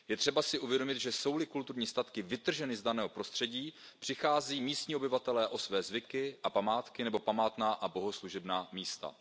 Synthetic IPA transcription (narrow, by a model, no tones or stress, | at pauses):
jɛt̪r̥ɛbasɪʔuvjɛdo̞mɪt̪ʒɛso̞wlɪkult̪uɾɲiːst̪at̪kɪvɪt̪r̩ʒɛnɪzdanɛːɦo̞pɾo̞st̪r̥ɛɟiː | pr̝̥ɪxaːziːmiːst̪ɲiːobɪvat̪ɛlɛːʔo̞svɛːzvɪkɪʔapamaːt̪kɪnɛbo̞pamaːt̪naːʔabo̞ɦo̞sluʒɛbnaːmiːst̪a̰